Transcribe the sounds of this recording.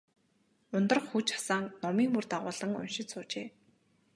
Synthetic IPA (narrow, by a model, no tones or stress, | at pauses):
ʊnt̪ə̆rχxut͡ɕḁsaːŋnɔmiːŋmurt̪aʁʊːɮə̆ŋʊ̰nʃɪ̆t̪sʊːt͡ɕeː